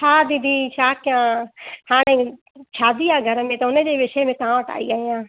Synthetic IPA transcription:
aːd̪id̪ʱiːʃaːkjãːhaːɽ̃ẽ | t͡ʃʰaːd̪ijaːɡʱɐɾəmẽt̪ɐʊnəd͡ʑeːʋɪʃemẽt̪ɐãʋəʈa̰ːiaːɦijãː

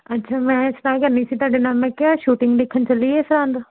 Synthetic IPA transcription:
ɐtːʃʰaːmɛ̃ːsʈaːkəɾniːsiːt̪waːɖenaːlmɛ̃kjaːʃuːʈɪ̃ŋɡd̪eːkʰːənt͡ʃəlieːsɾãːnd̪

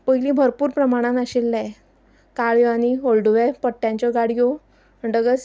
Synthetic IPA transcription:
pəjlĩbʱəɾpuːɾpɾəmaɽ̃ãnəɕelːa | kaɭjoaɽ̃iolɖuʋapəʈːjãɲt͡ɕɔɡaɽijo | ɖəɡət͡s

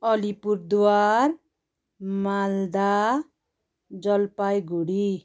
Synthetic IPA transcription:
ʌlipuɾd̪war | mald̪a | d͡zʌlpajɡuɽi

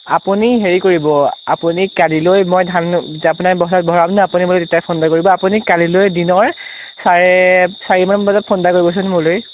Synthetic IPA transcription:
apuniɦeɹikoɹibɔapunikalilojmojdʱanapunajbɔɦsat̚bʱɔɹamnaapunimulotetjapʰɔndakoɹibɔapunikalilojdinɔɹ | saɹesaɹimambazɔt̚pʰɔndakoɹibɔs̬ɔnmʊɹloj

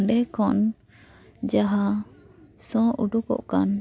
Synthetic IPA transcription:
ɖɛkɔn | d͡ʒaɦa | sɔ̃ʔuɖukɔ̰ʔkan

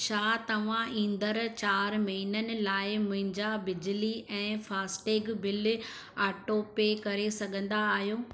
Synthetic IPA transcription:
ʃaːt̪ɐʋ̤ãĩːn̆d̪əɾt͡ɕaːɾmɐɦinənɪ̆laːɪmʊ̃ɦɪ̃ɲd͡ʑabɪd͡ʑliʔɛ̃ːfaːsʈeːɡbɪl | aːʈoːpeːkɐɾesɐɠʱə̃nd̪aːɦijoː

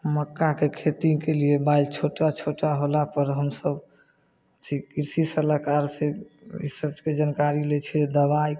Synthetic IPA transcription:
məkːakekʰet̪ikeliebailt͡ʃʰoʈːat͡ʃʰoʈːaɦolapəɾɦəmsəb | ət̪ʰikiɾsisəlakaɾse | ḭsəbked͡ʒənkaɾilet͡ʃʰɛd̪əβaj

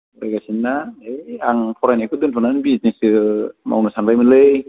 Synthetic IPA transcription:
ɾajɡasinːaejaŋpʰɔɾajnajkʰɯd̪ɯnpʰɔnanbiznisɯma̰wnasanbajmɯnlɯj

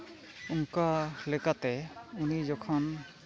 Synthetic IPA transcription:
uŋkalɛkat̪ɛunid͡ʒɔkʰɔn

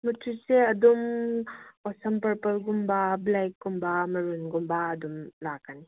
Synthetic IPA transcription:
mɐtʰuseɐdum | ɔsɐmpɐɾpɐɾɡumbɐblajk̚ɡumbamɐɾunɡumbaːdumlakːani

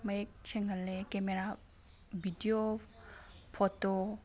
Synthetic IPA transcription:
məek̚t͡ʃeŋɡəlːekemeɾa | bʱidio | pʰoto

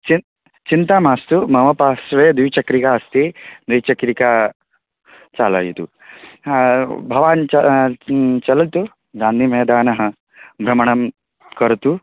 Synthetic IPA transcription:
t͡ʃi | t͡ʃint̪aːmaːst̪umɐʋɐpaːʃʋɐjɐd̪ujt͡ʃɐkɾikaːɐst̪ed̪ujt͡ʃɐkɾikaː | t͡ʃaːla̰ːjit̪u | bʱɐʋaːnt͡ʃɐ | t͡ʃɐlɐt̪u | d̪ʱaːnimɐɦːd̪aːnɐɦɐ | bʱɾɐmɐɳɐm | kɐɾt̪u

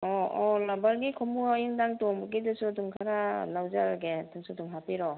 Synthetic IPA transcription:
ɔɔlambaɾɡikʰɔmuaiŋdaŋtoŋbɡidɯsuduŋkʰaɾanawzaɾɡetɯŋsuduŋɦapiɾɔ

